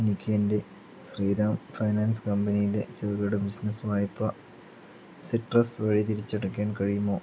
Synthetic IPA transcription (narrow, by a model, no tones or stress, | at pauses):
enikʲːeːnde | sriːɾaːmfɐjnaːnskɐmbɐnijilḛt͡ɕerɣɐɽɨbisnɐsʋaːjɐpːɐ | siʈrɐsʋɐɻit̪̬iɾit͡ɕːeɽɐkʲːaːɳkɐɻijumːoː